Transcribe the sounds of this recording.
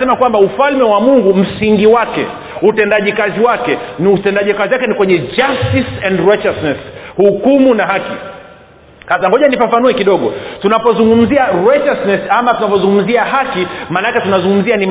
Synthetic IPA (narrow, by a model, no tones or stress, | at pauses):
ɛmakwambaufalmɛwamuŋɡum̩siŋɡiwakɛ̰ | utɛndaʄikaziwakɛniutɛndaʄikaziwakɛnikwɛɲɛd͡ʒastisɛndɹat͡ʃasnɛshukumunaɦaki | hasaŋɡɔʄanifafanuɛkiɗɔɠɔ̰tunapɔzuŋɡum̩ziaɾat͡ʃasnɛsamatunavɔzuŋɡum̩ziaɦakimaːnaakɛtunazũŋɡum̩zianim